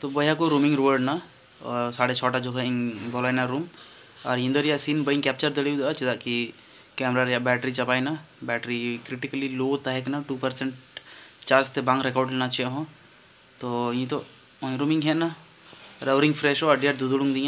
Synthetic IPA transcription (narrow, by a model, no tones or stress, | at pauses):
t̪obəɦjakoɾuːmɪ̃ŋɡɾoʋəɾɖna | saːɽet͡ʃʰɔːʈad͡ʒoːkeĩŋbɔlaːjnaɾuːm | ɔːɾɦĩnd̪əɾjasinbəĩŋkɛːp̚t͡ʃəɾd̪əɽeud̪at͡ʃid̪aki | kɛːmɾaɾjabɛːʈɾit͡ʃɐpaːina | bɛːʈɾikɾɪʈikəliloːt̪aɦɛknaʈuːpəɾsẽɳʈt͡ʃaːɾst̪ebãŋɡɾɛkaːɖlenat͡ʃjaɦõ | t̪oĩt̪õ | ɾuːmɪ̃ŋɦɛna | ɾəʋɾɪ̃ŋɡfʰɾɛʃoəɖiəʈ̚d̪ud̪uɽũŋɡd̪ĩjã